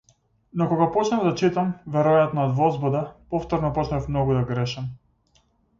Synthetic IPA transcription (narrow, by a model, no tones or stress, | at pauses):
nɔkɔɡapɔt͡ʃnavd̪at͡ʃit̪amvɛɾɔjat̪nɔːd̪vɔzbɔd̪apɔft̪ɔɾnɔpɔt͡ʃnafmnɔɡud̪aɡɾɛʃam